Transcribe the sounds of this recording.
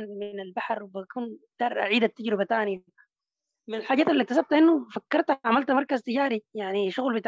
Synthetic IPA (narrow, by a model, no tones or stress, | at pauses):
nmɪnalbaħɾwbakuːnd̪̥ɑːɾˤʔa̰ʕiːd̪at̪ːaɟɾɪbat̪aːnɪja | mɪnalħaːɟaːt̪alːit̪ːas̬ab̚t̪ʔɪnːufakːɑɾˤt̪ʕamalt̪mɑɾˤkazt̪ɪɟaːɾijaʕniʃʊɣlbɪt̪a